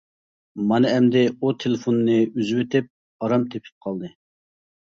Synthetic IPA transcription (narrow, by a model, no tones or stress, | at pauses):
mɑnɨɛmd̪ɪut̪ʰelˠɪfonːɨyzwet̪ʰɪp̚ | ɑɾɑmt̪ʰepʰɪ̥p̚qʰɑlˠd̪ɨ